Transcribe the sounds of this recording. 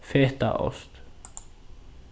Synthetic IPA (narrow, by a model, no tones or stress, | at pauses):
feːt̪a̰ʔɔ̰st̪